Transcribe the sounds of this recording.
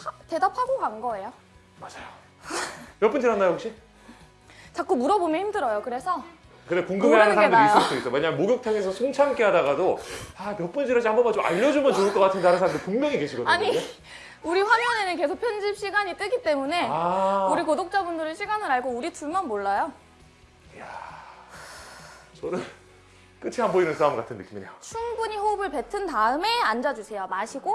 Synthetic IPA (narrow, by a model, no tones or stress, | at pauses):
te̞dapʰaɡoɡanɡʌe̞jo | mad͡ʑajo | mjʌp͈und͡ʑiɾanːajookɕ͈i | t͡ɕak͈umuɾʌbomjʌnçimdɯɾʌjokɯɾe̞sʰʌ | kɯɾekoŋɡɯmeanɯnsʰaɾamdɾis͈ɯss͈ois͈ʌweɲamjemoɡjok̚tʰaŋesʰʌsʰoŋt͡ɕʰamk͈eɦadaɡadoamjʌp͈und͡ʑʰiɾaɕihambʌmat͡ɕoma̰ʎːʌd͡ʑumjʌnt͡ɕoɯɭk͈ʌk͈atʰɯndaɾɯnsʰamdɯɭikoŋmjʌŋike̞ɕʰiɡʌdaɲiɲo | uɾiɸwamjʌne̞nɯnke̞sʰok̚pʰjʌnd͡ʑip̚ɕ͈iɡaɲit͈ɯɡit͈e̞mune̞auɾikodok̚t͡ɕ͈abundɯɾɯɭɕʰiɡanɯɾaɭɡouɾituɭmʌnmoɭːajo | ja | t͡ɕʌnɯɭ | k͈ɯt͡ɕʰiɦamboinɯnsʰamɡ͈atʰɯnːɯk͈iminejot͡ɕʰuŋbuɲiɸobɯɭpe̞tʰɯntaɯme̞and͡ʑad͡ʑusʰe̞jomaɕʰiɡo